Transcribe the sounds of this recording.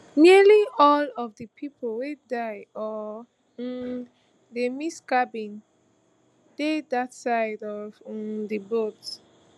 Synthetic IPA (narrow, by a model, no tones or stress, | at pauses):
miəliɔlɔvdəpʰipʰəlwedaɪɔ | demiskabĩn | dedatsaɪdɔvdəbot